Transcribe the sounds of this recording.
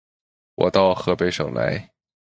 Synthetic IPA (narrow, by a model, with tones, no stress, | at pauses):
wʔɔ̰˨˩t̪ɑ˥˩ʊxɤ˧˥pe˧˥ɪʂɤ̰˨˩ŋla̰˧˥ɪ